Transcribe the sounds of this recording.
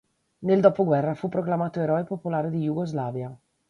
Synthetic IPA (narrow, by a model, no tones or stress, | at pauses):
neld̪ɔːpoɡwɛrːafupːɾoklamaːt̪oeɾɔepopulaːɾed̪ijuɡozlaːvja